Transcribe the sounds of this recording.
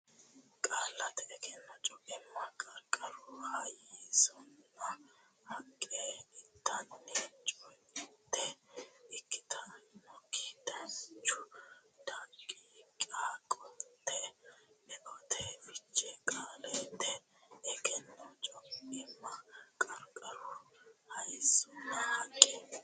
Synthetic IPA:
kʼaːlːɐt̪ɛːkɛnːɐt͡ʃʼɔkʼɪmːɐkʼɐɾkʼːɐɾʊhajisɔnːɐ | hɐkʼːeɪt̪ʰːɐnːit͡ʃʼɔjɪdt̪ːɛɪkːɪ̥t̪ʰɐmɔkːi̥t̪ɐnt͡ʃːʊt̪ɐkʼikʼakʼɔt̪ʰːɛɛɡɔt̪ʰefɪt͡ʃːɛkʼaːlɛt̪ːɛ | ɛkɛnːɔt͡ʃʼɔkɪmːɐkʼɐɾkʼɐɾʊhɐjsʊnːɐhɐkʼːe

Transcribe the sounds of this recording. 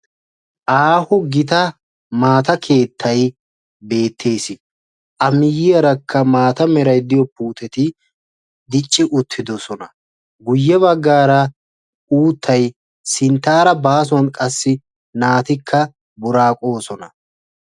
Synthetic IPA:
ʔaːhʊɡɪt̪ɐ | maːt̪ɐkʰe̞ːt̪ʰːɐj | be̞ːt̪ʰːe̞ːsɪ | ʔɐmɪjɪɐɾɐkʰːɐmaːt̪ɐmɛɾɐjd̪ɪjɔpuːt̪ɛt̪ɪ | d̪ɪt͡ʃʼːɪʔʊt̪ʰːɪd̪ɔsɔnɐ | ɡʊjːɛβɐɡːaːɾɐ | uːt̪ʰːɐj | sɪnt̪ːaːɾɐbaːs̬ʊwɐnkʼɐsːɪ | naːt̪ɪkʰːɐ | bʊɾaːkʼo̞ːsɔnɐ

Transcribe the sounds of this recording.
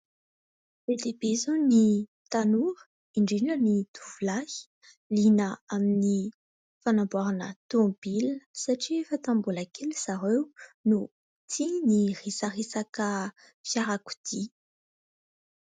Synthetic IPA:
ved̪ebezoni | t̪anuɾə̥ | iɳɖ͡ʐiɖ͡ʐənit̪uvulahi̥ | linəamini | fanambaɾanə̰t̪obilə̥saʈ͡ʂifat̪ambulakʰelisaɾewnu | t̪ʰinirisarisakə | fjaɾaku̥d̪̥i

